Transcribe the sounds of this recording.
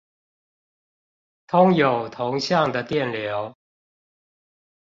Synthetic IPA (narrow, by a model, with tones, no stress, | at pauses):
t̪ʰʊ˥ŋjo˨˩ʊt̪ʰʊ˧˥ŋɕjɑ˥˩ŋd̪ə˩t̪jɛ˥˩nljo˧˥ʊ